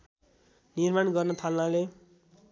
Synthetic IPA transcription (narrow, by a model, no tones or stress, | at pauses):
nirmanɡʌrnʌt̪ʰalnale